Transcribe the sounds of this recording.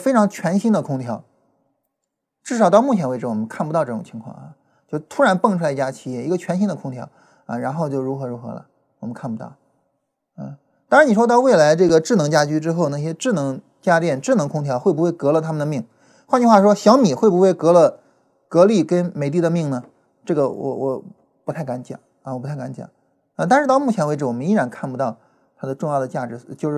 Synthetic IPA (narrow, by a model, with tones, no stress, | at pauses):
fɪʈ͡ʂʰɑ˧˥ŋt͡ɕʰɥɛ˧˥nɕi˥nd̪ə˨kʰʊ˥ŋt̪ʰjɑ˧˥ʊ | ʈ͡ʂɻ̩˥˩ʂɑ˨˩ʊɑ˥˧ʊmu˥˩t͡ɕʰjɛ˧˥nwe˧˥ɪʈ͡ʂɻ̩˥˩wɔ˨˩mə˦nkʰa˥˩npu˧t̪ɑ˥˧ʊʈ͡ʂɤ˥˩ʈ͡ʂʊ˨˩ŋ˨t͡ɕʰi˧˥ŋkʰwɑ̰˥˧ŋɐ̰˧ | t͡ɕjo˥˧ʊt̪ʰu˥ɻa˧˥npɤ˥˩ŋʈ͡ʂʰu˥la˧i˧˥t͡ɕja˥t͡ɕʰi˨˥˩jɛ˥˩i˧˥ɡə˧t͡ɕʰɥɛ˧˥nɕi˥nd̪ə˨kʰʊ˥ŋt̪ʰjɑ̰˧˥ʊ | ɐ̰˧ɻa˧˥nxo˥˧ʊt͡ɕjo˥˩ʊɻu˧˥xɤ˧˥ɻu˧˥xɤ̰˧˥lə̰˨ | wɔ˨˩mə˦nkʰa˥˩npu˧˥t̪ɑ̰˥˩ | ə̰˧˩ | t̪aɑ˥ŋɻa˧˥ni˨˩ʂwɔ˥t̪ɑ˥˧ʊwe˥˩ɪla˧˥ɪʈ͡ʂɤ˥˩ɡə˩ʈ͡ʂɻ̩˥˩nɤ˧˥ŋt͡ɕja˥t͡ɕy˥ʈ͡ʂɻ̩˥xo˥˧ʊna˥˩ɕjɛ˥ʈ͡ʂɻ̩˥˩nɤ˧˥ŋ | t͡ɕja˥t̪jɛ˥˧˩nʈ͡ʂɻ̩˥˩nɤ˧˥ŋkʰʊ˥ŋt̪ʰjɑ˧˥ʊxwpu˧˥we˥˩ɪkɤ˧˥lə˨˧t̪ʰa˥mə˨nd̪ə˩mi˥˩ŋ | xwa˥˧nt͡ɕʰi˥xwa˥˩ʂwɔ˥ɕjɑ˧˥ʊmi˨˩xwe˥˩ɪbu˧˥xwe˥˩ɪkɤ˧˥lə˧ | kɤ˧˥li˥˩kə˥nme˨˩ɪt̪̬i˥˩d̪ə˩mi˥˩ŋnə˩ | ʈ͡ʂɤ˥˩ɡə˩wɔ̰˨˩wʔɔ˨˩ | pu˧˥t̪ʰa˥˩ɪka˧˥nt͡ɕjɑ̰˨˩˦ŋ | ɐ˧wɔ˨˩pu˧˥a˥˩ka˧˥nt͡ɕjɑ̰˨˩˦ | ə˧t̪a˥˧nʂɻ̩˥t̪ʊmu˥˩t͡ɕʰjɛ˧˥nwʈ͡ʂɻ̩˧˥wɔ˨˩mə˦ni˥ɻa˧˥nkʰa˥˩npu˧˥t̪ɑ˥˩ʊ | t̪ʰa˥d̪ə˨˧ʈ͡ʂʊ˥˧ŋjɑ˥˩ʊə˩t͡ɕja˥˩ʈ͡ʂɻ̩˧˥t͡ɕjo˥˧ʊʂɻ̩˥˩